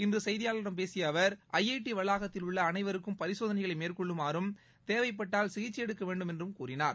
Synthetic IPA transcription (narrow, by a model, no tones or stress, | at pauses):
ɪndrɯsɛjðɪjaːlɐɾɐmpeːsɪjɐːʋɐɾʔɐjːɐɪʈːiʋɐɭːaːɣɐt̪ːɪlʊɭːɐːnɐɪʋɐɾɯkːɯmpɐɾɪsoːðɐnɐɪɣɐɭɐɪmeːrkɔɭːɯmaːɾɯm | t̪eːʋɐɪp̬ːɐʈːaːlsɪɣɪt͡ʃːɪjɛɽɯkːɐʋeːɳɖɯmɛndrɯmkuːrɪnaːɾ